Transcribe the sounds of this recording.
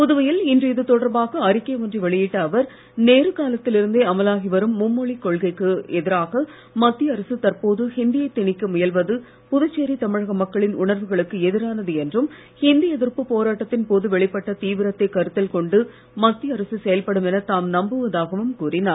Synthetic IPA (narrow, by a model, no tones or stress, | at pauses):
pʊðɯʋɐjɪlɪndrɯɪðɯt̪ɔɽɐɾbaːɣɐɐɾɪkːɐʋɔndriʋɛɭɪjɪʈːɐːʋɐɾ | neːɾɯkaːlɐt̪ːɪlɪɾɯnd̪eːɐmɐlaːɣɪʋɐɾɯmːʊmːɔɭikɔɭɣɐɪkːɯɛðɪɾaːɣɐ | mɐt̪ːɪjɐɐɾɐsɯt̪ɐɾpoːðɯhɪnd̪ɪjɐɪt̪ːɪɳɪkːɯmʊjɐlʋɐðɯ | pʊðɐt͡ʃːeːɾit̪ɐmɪɻɐɣɐmɐkːɐɭɪnʊɳɐɾʋɯɣɐɭɯkːɯɛðɪɾaːnɐðɯɛndrɯm | hɪnd̪ɪjɐðɪrpɯpoːɾaːʈːɐt̪ːɪnpoːðɯʋɛɭɪpːɐʈːɐt̪iːʋɪɾɐt̪ːɐɪkɐɾɯt̪ːɪlkɔɳɖɯ | mɐt̪ːɪjɐɾɐsɯsɛjɐlpɐɽɯmɛnɐt̪aːmnɐmbɯʋɐðaːɣɐʋɯmkuːrɪnaːɾ